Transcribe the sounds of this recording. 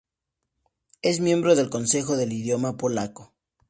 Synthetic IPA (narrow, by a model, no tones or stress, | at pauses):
e̞zmje̞mbɾo̞ðe̞lko̞nse̞xo̞ðe̞liðjo̞mapo̞lako̞̥